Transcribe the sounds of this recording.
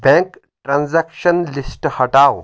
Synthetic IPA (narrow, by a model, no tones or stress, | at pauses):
bɛ̃ŋk | ʈɾãnzɛkʃənlisʈhəʈaw